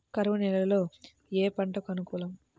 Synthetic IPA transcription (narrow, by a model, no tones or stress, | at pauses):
kɐɾʋɐnɛlɐɐlo̞ː | eːpɐɳʈɐkɐnukuːlɐm